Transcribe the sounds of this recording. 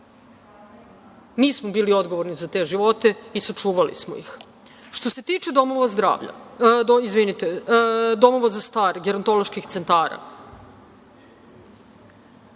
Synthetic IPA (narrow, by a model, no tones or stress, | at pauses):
miːsmobiːlio̞d̪ɡoʋo̞ɾnizat̪e̞ʒiʋo̞t̪e̞isat͡ʂuːʋalḭsmo̰ḭx | ʃt̪o̞se̞t̪iːt͡ʃed̪o̞mo̞ʋazd̪ɾa̰ːʋʎa̰d̪oizʋinit̪ed̪o̞mo̞ʋazast̪aːɾɡeɾont̪o̞lo̞ʃkixt̪se̞nt̪aːɾa̰